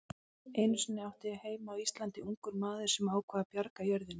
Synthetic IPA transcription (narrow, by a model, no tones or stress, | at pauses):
eːjnʏsʏnːɪawht̪ɪaheːjmaːwist̪lant̪ɪuŋkʏɾmaːðʏɾ̥sɛmaːwkʰvaːðapjaɾkajœɾðɪn